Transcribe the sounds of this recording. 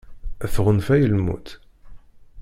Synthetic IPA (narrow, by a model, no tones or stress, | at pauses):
æθʁənfæjəlmṵt̪